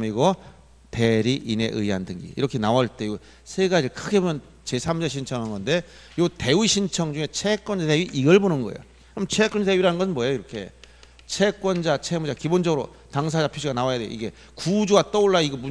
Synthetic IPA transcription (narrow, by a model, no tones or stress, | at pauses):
miɡʌ | te̞ɾiʔine̞̰ʔɯiɦandɯŋɡḭḭɾʌkʰe̞nawʌɭt͈e̞ɡo | sʰeɡad͡ʑiɭkʰɯɡe̞bomjʌn | t͡ɕe̞sʰamd͡ʑeɕʰint͡ɕʰʌŋɦanɯnɡʌnde̞jote̞wiɕʰint͡ɕʰʌŋd͡ʑuŋe̞t͡ɕʰek͈wʌnd͡ʑateɥiʔiɡʌɭbonɯnɡʌejo | kɯɾʌmt͡ɕʰek͈wʌnd͡ʑateɥiɾanɯnɡʌsʰɯnmwʌejoiɾʌkʰe̞̰ | t͡ɕʰek͈wʌnd͡ʑat͡ɕʰemud͡ʑakibond͡ʑʌɡɯɾo̰ | taŋs̬ʰad͡ʑapʰjoɕʰiɡanawajadwej̰iɡe̞ | kud͡ʑuɡat͈ʌoɭːaiɡʌmu